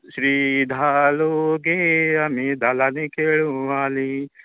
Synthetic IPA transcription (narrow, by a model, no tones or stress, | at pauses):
ʃɾid̪ʱaloɡeamid̪ʱaːlaːnekeɭũʋaːli